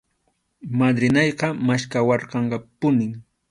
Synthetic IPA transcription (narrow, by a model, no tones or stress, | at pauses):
mad̪ɾɪnɑjqɑmaʃkawɑɾqɑɴqɑpʊnɪŋ